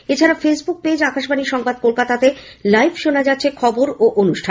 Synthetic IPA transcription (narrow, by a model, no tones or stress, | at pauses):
et͡ɕʰaɾafesbuk̚ped͡ʑakaʃbʱaniʃɔŋbad̪̚kolkat̪at̪elajbʃonad͡ʑatːɕʰekʰɔboɾoʔonuʃʈʰa